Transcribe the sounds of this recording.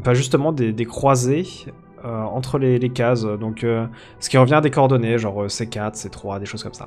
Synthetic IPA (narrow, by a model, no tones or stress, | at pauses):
fɛ̃ʒyst̪əmɑ̃d̪ed̪ekχwaze | øɑ̃t̪χəlelekazd̪ɔ̃kø | sə̥kʲiʁəvjɛ̃ad̪ekɔʁd̪ɔneʒɑ̃ʁøsɛkat̪χsɛt̪χwad̪eʃoz̥kɔmsa̰